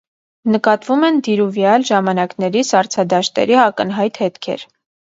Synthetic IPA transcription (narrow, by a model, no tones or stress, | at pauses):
nəkɑt̪vumɛnd̪iɾuvjɑlʒɑmɑnɑknɛɾisɑɾt͡sʰɑd̪ɑʃt̪ɛ̰ɾiɑkənɦɑjt̪hɛt̪kʰɛ̰ɾ